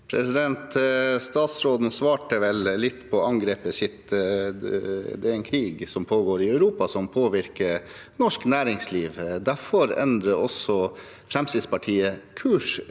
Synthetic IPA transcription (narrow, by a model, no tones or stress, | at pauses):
pʰɾɛ̰sɪd̪ɛnt̪st̪ɑːt̪sɾoːd̪n̩sʋɑːʈəʋɛllɪt̪ːpʰɔɑŋɡɾeːpəsɪt̪ː | d̪ɛæɾɛnkʰɾiːɡsɔmpʰoːɡoːɾɪœʉɾuːpɑsɔmpʰoːʋɪɾkəɾ | nɔʂknæːɾɪŋsliːʋd̪æfɔɾɛ̰nd̪ɾəɔsɔ | fɾɛmsɪd̪spɑʈʰiːəkʰʉːʂ